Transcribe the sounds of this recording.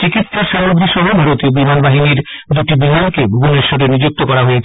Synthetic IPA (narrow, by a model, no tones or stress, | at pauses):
t͡ɕikit̪ʃaʃamɾoɡɾiʃɔɦobʱaɾot̪iobimanbaɦiniɾd̪uʈibimankebʱubuneɾʃoʈenid͡ʑuk̚t̪okɔɾaɦojet͡ɕʰe